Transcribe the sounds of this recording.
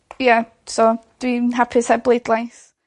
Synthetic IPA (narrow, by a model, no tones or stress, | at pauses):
ja | sɔd̥winɦapʰɪsablˠejdlˠajs